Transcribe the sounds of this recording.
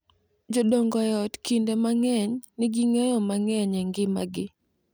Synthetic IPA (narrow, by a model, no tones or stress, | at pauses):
d͡ʒɔdɔŋɡɔjɔtkindemaŋɛɲnɪɡɪŋɛjɔmaŋɛɲɛŋɡɪma̰ɡɪ